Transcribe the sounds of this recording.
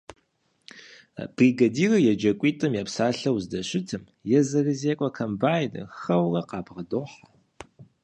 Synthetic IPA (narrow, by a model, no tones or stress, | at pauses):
b̥riːɡɐdiːrɐjɛd͡ʒɐkʷʼiːtʼɨmjapsaːɬɐwzdɐɕɪtʰɨm | jɛzɐɣɨzeːkʷʼɔkʰɐmbaːjnɨ̰xɐwrɐqɑːpʁɐdoːħa